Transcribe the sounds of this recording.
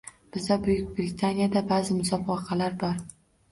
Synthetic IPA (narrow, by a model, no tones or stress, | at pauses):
b̥ɪzd̪abʊjʊkʲbɾɪt̪ʰanijad̪abazɪmʊsɒbɒqʰɑlaɾbɒɾ